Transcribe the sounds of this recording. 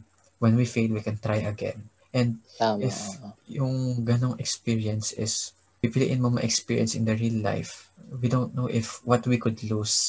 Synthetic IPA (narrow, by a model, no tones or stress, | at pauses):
wɛ̃nwifejlwikɛ̃nt̪ɹajʔɐɡɛ̰̃n | ʔɛ̃nd̪̚ɪfjʊŋɡɐnoŋɛkspiɹiɐ̃nsɪs | bipilḭʔɪ̃nmɐmɐʔɛkspiɹjɐ̰nsɪ̰nd̪ɐɹilːa̰jfwid̪ownt̪̚noʔɪfwɔt̪wikʊd̪lus